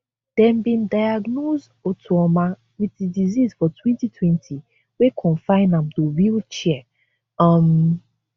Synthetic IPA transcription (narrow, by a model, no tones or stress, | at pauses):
d̥ɛmbĩndajaɡnozdotʰuɔmã | witdidizizfɔtwɛ̃ntitʰwɛ̃ntʰi | wekʰɔ̃nfãɪ̃nãmtoɹilt͡ʃɛɛ | am